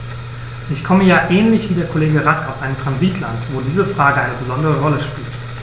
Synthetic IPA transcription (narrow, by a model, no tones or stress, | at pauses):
ʔɪçkʰɔməjaːʔɛːnlɪçv̥iːdeːɐkʰoleːɡəʁakaʊsʔaɪnəmtʁ̥anziːtʰla̰ntv̥oːdiːzəfʁ̥aːɡəʔaɪnəbəzɔndəʁəʁɔləʃpḭːlt